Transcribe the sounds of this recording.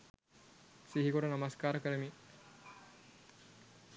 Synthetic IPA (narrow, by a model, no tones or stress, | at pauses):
siɦikoʈunamaskaːɾəkəɾəmi